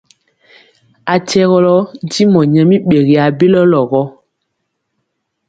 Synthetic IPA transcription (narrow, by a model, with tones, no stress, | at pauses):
a˨tɛ˦ɣɔ˦lɔ˦n̩˦di˦mɔ˨ɲɛ˨mi˦ɓe˨ɣi˨a˨be˦lɔ˦lɔ˨ɣɔ˦